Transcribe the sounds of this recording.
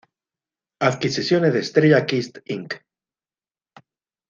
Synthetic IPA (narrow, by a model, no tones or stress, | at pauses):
aðkisisjoneðest̪ɾeʝakist̪iŋk